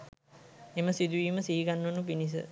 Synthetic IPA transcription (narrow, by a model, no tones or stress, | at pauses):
eməsid̪uʋiːməsiːiɡanːonupinis̬ə̰